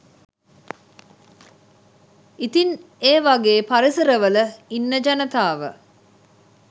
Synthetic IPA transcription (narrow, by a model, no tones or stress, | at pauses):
it̪in | eːʋaɡeːpaɾisəɾəʋələinːəd͡ʒanət̪aːʋə̰